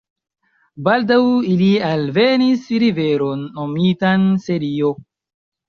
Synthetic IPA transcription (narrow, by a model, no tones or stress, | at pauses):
baldawilialve̞nisɾiveɾo̞nːomitanse̞ɾio̞